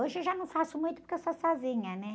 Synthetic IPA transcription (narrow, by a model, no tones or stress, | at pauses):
oʒewʒanɐ̃w̃fasumũj̃t̪upuɾkewsɔsɔzĩɲɐnɛ